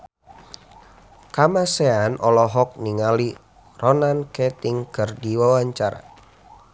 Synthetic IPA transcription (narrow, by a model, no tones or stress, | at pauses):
kamasɛanʔɔlɔɦɔk̚niŋali | rɔnankɛt̪ɪŋkərdiwawaɲt͡ʃaɾa̰